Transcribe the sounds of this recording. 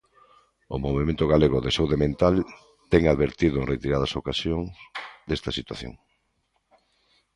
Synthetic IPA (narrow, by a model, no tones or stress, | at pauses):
ʊ̰moβemẽnt̪ʊɣaleɣʊðesewðemẽnt̪al | t̪ɛŋaðβeɾt̪iðʊẽŋret̪iɾaðɐsokasjoŋsd̪est̪ɐsit̪wa̰θjo̰ŋ